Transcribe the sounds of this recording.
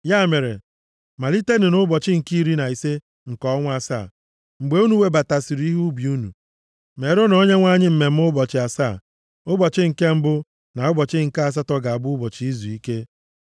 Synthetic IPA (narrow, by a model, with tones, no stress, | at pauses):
ja˦˨me˨ɾḛ˨ | ma˨li˦te˦nɪ˨nʊ˦bɔ˨t͡ʃɪ˦ŋ̩˨ki˦ɾi˦na˨i˨se˦ | ŋ̩˨kɔ˦ŋʷ˦a˦sa̰˦˨ | ŋ͡m̩˨ɡ͡be˨u˦nu˨we˦ba˨ta˨si˨ɾi˦ɦu˦bi˨u˦nṵ˨ | me˨ɾʊ˦no˦ɲe˦ŋʷa˦ɲɪ˦m̩˦me˨m̩˦ʊ˦bɔ˨t͡ʃɪ˦a˨sa˦˨ | ʊ˦bɔ˨t͡ʃɪ˦ŋ̩˨ke˦m̩˦bʊ˦ | na˨ʊ˦bɔ˨t͡ʃɪ˦ŋ̩˨ka˦a˨s̬a˦tɔ˦ɡa˨a˨bʊ˦bɔ˨t͡ʃi˦i˦zu˨i˦ke˦